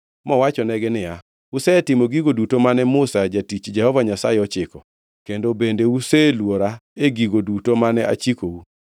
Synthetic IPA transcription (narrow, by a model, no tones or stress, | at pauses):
mɔwat͡ʃɔnɛɡɛnɪja | ʊsɛtɪmoɡiɡodutomanɛmʊsad͡ʒatit͡ʃd͡ʒɛhɔvaɲasajeɔt͡ʃɪkɔ | kendobendeuselwoɾaeɡiɡodutomanɛa̰t͡ʃikou